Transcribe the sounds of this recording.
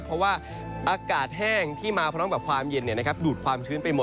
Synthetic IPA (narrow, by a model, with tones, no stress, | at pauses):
pʰɾɔ˦˥waː˥˩ | ʔaː˧kaː˨˩t̪̚ɦɛː˥˩ŋt̪ʰiː˥˩maː˧pʰɾɔː˦˥ŋbɛː˨˩p̚kʰwaː˧mje˧nːi˨˩ɐna˦˥kʰp̚duː˨˩t̪̚kʰwaː˧mt͡ɕʰɯː˦˥npa˧jmo˨˩